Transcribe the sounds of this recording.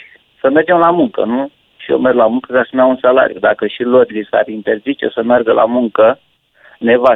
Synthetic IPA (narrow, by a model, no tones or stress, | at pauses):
səme̞rd͡ʒe̞mlamuŋkə̰nu | ʃio̰merɡlamuŋkəzasumaunsala̰ɾijud̪akəʃilod̪lisa̰rint̪e̞rzit͡ʃe̞̰səmerɡəlʔa̰muŋkə | ne̞va